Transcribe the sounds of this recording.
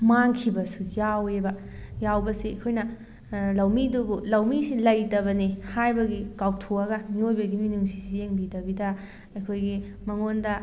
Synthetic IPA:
maŋkʰibɐsujawebɐ | jawbɐsiɐjkʰojnɐ | lɐwmiduɡulɐwmisilɐjtɐbɐnihajbɐɡikaw̚tʰoɐɡɐmiojbɐɡiminuŋsisijeŋbidɐbidɐ | ɐjkʰojɡi | mɐŋondɐ

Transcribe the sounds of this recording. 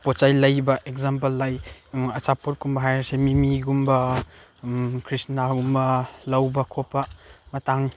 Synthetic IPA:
pot͡ʃajlɐjbɐʔekzamp̬ɐlːajɐsapot̚kumbɐɦajɾsemimiɡumbɐ | kʰɾisnaɡumbɐlɐwbɐkʰopːɐmɐtaŋ

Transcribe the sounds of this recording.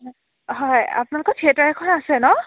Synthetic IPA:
ɦɔja̰pʊnalɔkɔtʰiɛtaɹɛkʰɔɹaasɛnɔ

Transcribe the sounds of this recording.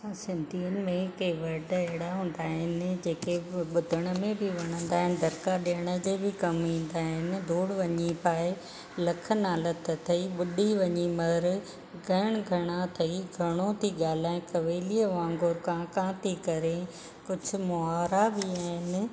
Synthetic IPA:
ãsɪ̃nd̪ʱiːənɪ̆mẽkeʋɐɖɦɪɽaɦũːn̆d̪aːɦɪnɪ̆d͡ʑeːkeɓʊd̪ʱəɽ̃ə̆mẽbʱɪʋɐɽ̃ə̃nd̪aːɦɪnɪ̆d̪ʱɐɾkaɗeəɽ̃əd͡ʑeːbɪkɐmĩːn̆d̪aːɦɪnɪ̆d̪ʱoːɽʋɐɲipaːɪ | lɐkʰənaːlət̪t̪ʰɐiɓʊɗiʋɐɲimɐɾ | ɡʱɐɽ̃ɡʱɐɽ̃at̪ʰɐiɡʱɐɽ̃ot̪ʰiɠaːl̤aːɪ̃kɐʋeːliəʋãːŋɡoɾkãːkãːt̪ʰikɐɾe | kʊd͡ʑʱʊ̆mʊaːɾabɪaːɦɪnɪ̆

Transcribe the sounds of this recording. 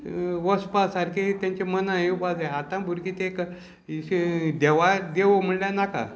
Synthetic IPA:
ʋəspasaɾkʰet̪jãɲt͡ɕemənãeupad͡zaat̪ãbʱuɾkit̪ek | d̪eʋad̪eʋom̤əɭljanaka̰

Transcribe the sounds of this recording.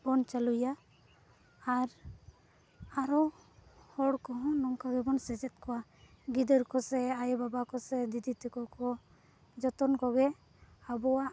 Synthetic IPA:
bɔnt͡ʃaluja | ɾ | aɾɔhɔɽkɔɦɔ̃nɔŋkaɡɛbɔnsɛd͡ʒɛt̪̚kɔwa | ɡid̪ɔɾkɔsɛajbabakɔsɛd̪id̪it̪ɛkɔkɔ | d͡ʒɔt̪ɔnkɔɡɛ | abɔwa

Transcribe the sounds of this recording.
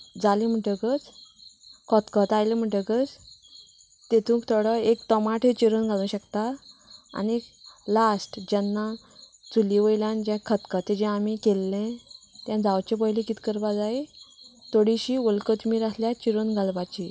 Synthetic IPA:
d͡zalim̤əʈəkət͡s | kʰɔt̪kət̪ajlem̤əʈəkət͡s | t̪et̪ʰũkt̪ʰəɽəekt̪ɔmaʈɦet͡ɕiɾənɡʱalũːɕəkt̪aa̰nilasʈd͡ʑanːa | t͡suliʋəjljãnd͡ʑɛ̃kʰət̪kət̪ed͡ʑɛ̃amikelːɛ̃t̪jãd͡zawt͡ɕẽp̬əɦilẽkit̪kəɾbad͡zait̪oɽiɕiːolkət̪miːɾasljat͡ɕiɾənɡʱalʋat͡ɕi

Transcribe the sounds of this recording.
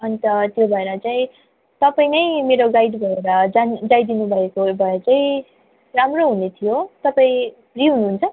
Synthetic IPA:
ʌnit̪ʌt̪jobʱʌeɾʌt͡saĩ | t̪ʌpaĩnʌjmeɾoɡajɖbʱʌeɾʌd͡zand͡zajd̪inubʱʌekobʱʌeɾʌt͡saĩ | ramroɦunet̪ʰijot̪ʌpaĩ | briɦunuɦunt͡sʰʌ

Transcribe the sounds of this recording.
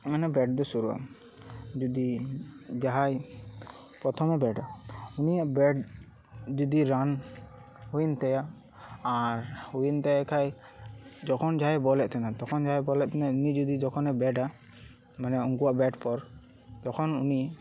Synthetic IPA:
manɛbɛʈ̚d̪ɔsuɾua̰ | d͡ʒud̪i | d͡ʒaɦaj | pɾɔt̪ʰɔmɛbɛɖaunijaʔbɛɖ | d͡ʒud̪iɾan | huint̪ɛja | aɾhuint̪ɛɛkʰaj | d͡ʒɔkʰɔnd͡ʒaɦajbɔlɛʔt̪ʰɛnat̪ɔkʰɔnd͡ʒaɦajbɔlɛʔt̪ʰɛnaunid͡ʒud̪id͡ʒɔkʰɔnɛbɛɖa | manɛɔŋkuwaʔbɛʈpɔɾ | t̪ɔkʰɔnṵni

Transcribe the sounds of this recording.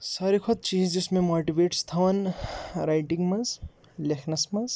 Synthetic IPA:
sʌɾikʰot̪̚t͡ʃiːd͡zd͡zesmemoʈibeʈst̪ʰawɐnɾajʈiŋɡmɐz | lekʰnɐsmɐz

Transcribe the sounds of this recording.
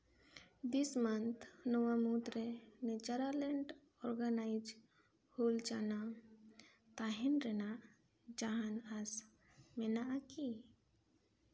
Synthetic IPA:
d̪ismɐnt̪ʰnɔwamut̪ɾenet͡ʃaɾaleɳʈ | ɔɾɡanaɪd͡ʒ | hoːlt͡ʃana | t̪aɦenɾɛna | d͡ʒaɦanas | menaʔaki

